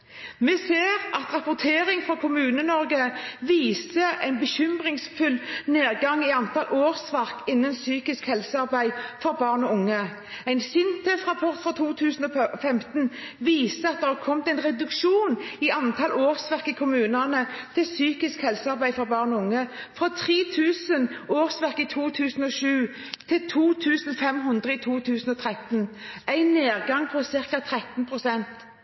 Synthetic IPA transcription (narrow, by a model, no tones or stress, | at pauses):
mɛːseːʁʔɑt̪ʁɑpʊt̪ʰeːɾɪŋfʁɔkʰʊmʉːnənɔɾɡəʋiːsəæɪnbəçʏmʁɪŋsfʉlneːʁɡɑŋɪɑnt̪ɑlʔoːʁsʋæʁkɪnːənsyːkɪskhɛlsəɑʁbæɪfɔɾbɑːʁnɔʊŋːə | æɪnsʏnt̪ʰɛːsʁɑpʰɔʁt̪fɾɑt̪ʰuːt̪ʰʉːsn̩ɔfɛmt̪n | ʋiːsəɑt̪̚d̪ɛhɑkʰɔmt̪æɪnʁɛd̪ʉkʃuːnɪɑnt̪ʰɑlʔoːʁsʋæʁkəkʰʊmʉːnɑnət̪ʰɪlsyːkɪskhɛlsəɑʁbæɪfɔʁbɑːʁnɔʊŋːəfʁɑt̪ʰʁiːt̪ʰʉːsənoːʁsʋæʁkɪt̪ʰuːt̪ʰʉːsn̩ɔʃʉː | t̪ʰɪlt̪ʰuːt̪ʰʉːsnfɛmɦʉnd̪ʁəit̪ʰuːt̪ʰʉːsn̩ɔt̪ʰʁɛt̪n̩ʔæɪnːeːʁɡɑŋpʰɔsɪʁkɑt̪ʰʁɛt̪n̩pʰʁʊsɛnt̪